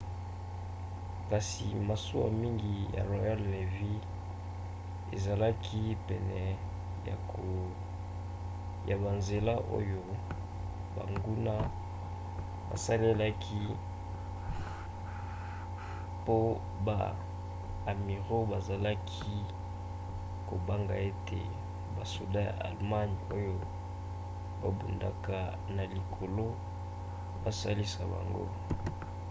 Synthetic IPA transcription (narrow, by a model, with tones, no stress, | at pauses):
ka˨sḭ˨ma˨so˦a̰˨mi˦ŋɡi˨ja̰˨ʁwa˨ja˦lne˨vi˦ | ḛ˨za˨la˦kʰi˦pɛ˨nɛ˨ | ja̰˨ko˨ | ja˨ba˨nze˨la˦ʔo̰˦jo˦ | ba̰˨ŋɡu˦na˦ | ba̰˨sa˦le˦la˦kʰi˦ | po˦ | ba̰˨ | a˨mi˨ʁo˦ba˨za˨la˦kʰi˦ | ko˨ba˦ŋɡa̰˨e˦tʰḛ˨ | ba˨su˨dã˦ja̰˨ʔa̰˨lma˦n˨o˦jo˦ | ba˨bṵ˨nda̰˨ka˨ | na˨li˨kʰo˨lo˦ | ba˨sa˦li˦sa˨ba̰˨ŋɡo̰˦